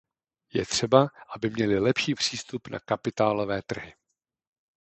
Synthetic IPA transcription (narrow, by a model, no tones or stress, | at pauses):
jɛt̪r̝̥ɛbaʔabɪmɲɛlɪlɛpʃiːpr̝̥iːst̪upna̰kapɪt̪aːlovɛːt̪r̩ɦɪ